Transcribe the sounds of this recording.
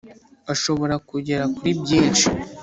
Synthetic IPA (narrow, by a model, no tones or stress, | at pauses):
aʃo̞βo̞ɾakuɟe̞ɾakuɾibɟiːnʃi̥